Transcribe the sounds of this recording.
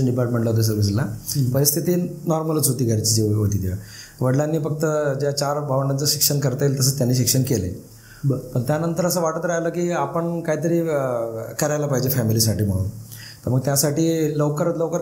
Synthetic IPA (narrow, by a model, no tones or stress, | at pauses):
əɳɖipaɾʈmeɳʈlət̪əs̬əʋis̬lapəɾist̪ʰit̪iːnɔɾmələt͡sot̪iːɡʱəɾt͡ɕit͡ɕiɦot̪iːt̪jaʋəɽlanːiːfək̚t̪əd͡ʑjat͡ɕaɾbʱaʋənət͡səɕikʂənkəɾt̪elt̪əs̬əːt͡st̪janːiːɕikʂəɳkelḛ | pəɳt̪janənt̪əɾəsəʋaʈət̪ɾajləkiːapəɳkaɦit̪əɾiː | kəɾajlapaɦid͡ʑefɛmilis̬aʈiːm̤əɽ̃ṵːnt̪əɾməɡ̚t̪jasaʈiːloʋkəɾət̪loʋkəɾ